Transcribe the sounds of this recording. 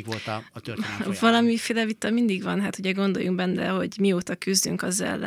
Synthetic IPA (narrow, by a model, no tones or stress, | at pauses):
vɒlɒmifeːlɛvit̪ːɒmind̪iɡvɒnɦaːt̪huɟɛɡo̞nd̪o̞̰juŋɡbɛnːɾɛ̰ɦo̞̰ɟmioːt̪ɒkyzd̪y̰ŋkɒzɛ̰lːɛ̰